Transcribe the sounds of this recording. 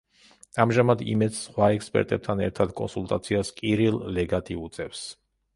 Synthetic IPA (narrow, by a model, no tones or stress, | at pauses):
amʒamad̪ḭmɛd̪ssχwaɛkspʼɛ̰ɾt̪ʼɛb̚t̪ʰanɛɾt̪ʰad̪kʼɔ̰nsulˠt̪ʼat̪sʰiaskʼiɾilˠːɛɡat̪ʰiut̪sʼɛfs